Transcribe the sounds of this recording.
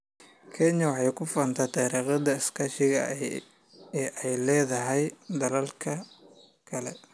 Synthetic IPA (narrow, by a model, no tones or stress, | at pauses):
kʰɛɲɐwɑħɑjkʰʊfɐnt̪ʰɐt̪ʰɑɾiːqɐd̪ɐɪskʰɐʃɪɣɐ̰ | ʔɛjlɛːðɐɦɛjd̪ɐlɐlkʰɐ | kʰɐlɛ